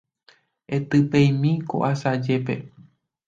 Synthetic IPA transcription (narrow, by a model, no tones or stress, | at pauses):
e̞t̪ɨpẽjmĩko̰ʔasad͡ʒe̞pe̞̰